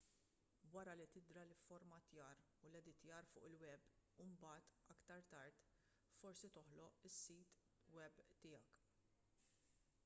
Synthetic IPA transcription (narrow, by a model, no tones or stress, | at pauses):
wɐɾɐlit̪ɪd̪ɾɐlɪfɔɾmɐt̪jɐːɾ | ulɛd̪ɪt̪jɐːɾfʊ̰ːʔɪlwɛbumbɐːt̪ɐkt̪ɐɾt̪ɐɾt̪ | fɔɾsit̪ɔħlɔʔɪsːiːt̪ | wɛbt̪ɪːjɐk